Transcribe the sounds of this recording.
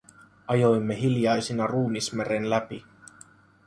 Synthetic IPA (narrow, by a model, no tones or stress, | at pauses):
ɑjo̞jmːeɦiljɑjsinɑruːmismeɾe̞nlæpi